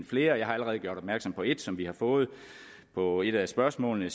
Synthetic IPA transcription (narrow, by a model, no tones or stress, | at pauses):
nfle̝ːɐjɑ̈ɪhɑ̈æləʁɛːð̞ˠɡjo̝ɐɾ̥ɒb̥mæɐɡ̥sɒ̽mpʰɒ̽e̝d̥sɒ̽mʋihɑ̈fɔ̽ːð̞̩ˠ | pʰɒ̽e̝ɾ̥æsb̥ɶɐsmɔ̰ːlnə